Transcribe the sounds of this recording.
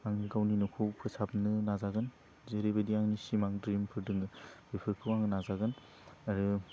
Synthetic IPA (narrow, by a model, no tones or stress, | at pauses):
aŋniɡawninɔkʰɯwpʰɯsap̚nɯnazaɡɯn | zeɾebediaŋnisimaŋdɾimpʰɯɾdɯŋɯb̥epʰɯɾkʰɯwaŋnazaɡɯn | aɾɯ